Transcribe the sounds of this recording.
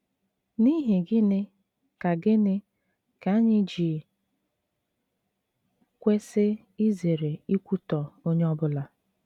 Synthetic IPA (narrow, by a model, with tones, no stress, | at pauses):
ni˦ɦe˨ɡɪ˦nɪ˦ | ka˨ɡɪ˦nɪ˦ | ka˨˦ɲɪ˦d͡ʒi˨ | kʷe˦sɪ˦ | i˦ze˨ɾe˨i˦kʷu˦tɔ˨o˦ɲe˦ɔ˦bʊ˦la˨